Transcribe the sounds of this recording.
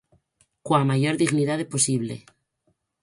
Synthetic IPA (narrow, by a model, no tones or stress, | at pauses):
kwamaʝoɾðiɣniðaðepo̞siβlḛ